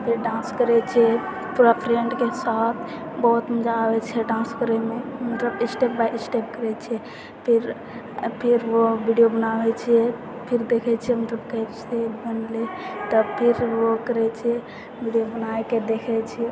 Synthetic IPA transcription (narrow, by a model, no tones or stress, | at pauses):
pʰiɾɖãnskəɾɛt͡ʃʰɛ | puɾapʰɾeɳɖkesat̪ʰbɔɦt̪məd͡ʒaːbɛt͡ʃʰɛɖãnskəɾɛmemət̪ləbsʈepbasʈep̚kəɾɛt͡ʃʰɛ | pʰiɾ | pʰiɾʋobiɖijobənawɛt͡ʃʰiɛ | pʰiɾd̪ekʰɛt͡ʃʰiɛmət̪ləbkəɦɛt͡ʃʰebənlet̪ɔpʰiɾʋokəɾɛt͡ʃʰɛ | bʱiɖijobənaeked̪ekʰɛt͡ʃʰɛ